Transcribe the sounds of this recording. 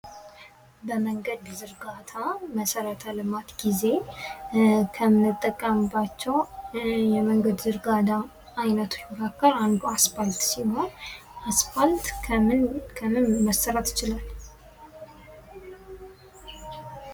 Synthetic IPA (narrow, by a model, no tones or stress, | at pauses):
bəməŋɡəd̪zɨɾɡat̪ʰaməsəɾət̪ʰəlɨmat̪ɡize̞ | kʰəmɨt̪ʼːəkʼːəmbat͡ʃːɛwjɛməŋɡəd̪zɨɾɡad̪a | ajnət̪ʰu̥jkakʰːəɾand̪uasfalt̪siɦo̞n | ʔasfalt̪nkʰəmɨnməsːəɾət̪ɪt͡ʃɪlal